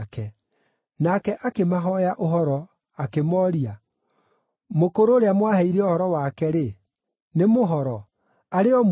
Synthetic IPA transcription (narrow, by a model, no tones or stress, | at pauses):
kɛ | nakɛʔakemaɦɔjaʔoɦɔɾɔ | akemɔɾia | mokoɾoːɾeamwahɛiɾɛohɔɾɔwakɛɾe | nemoɦɔɾɔ | aɾeɔm